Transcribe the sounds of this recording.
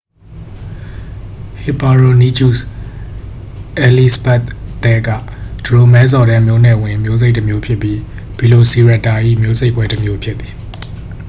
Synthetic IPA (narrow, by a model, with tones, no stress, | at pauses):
hɪ˨pa˨ɹo˨ni˦t͡ɕu˦˨s | ʔɛ˨li˦sbɛ˦t̪t̪ːɛ˦ɡä̰˦˨d̥ə˨ɹo˨mɛ˦zɔ˨ɾɛ˦mjo˦˨nɛ˨wɪ̃˨ʔə˨mjo˦ze˦ɪʔtːə˨mjo˦pʰjɪ˦pːji˦ | b̥i˨lo˨si˨ɹa˦˨tːa˨ʔḭ˦˨mjo˦ze˦ɪʔpwɛ˦təmjo˦pʰjɪ˦t̪θi̥˨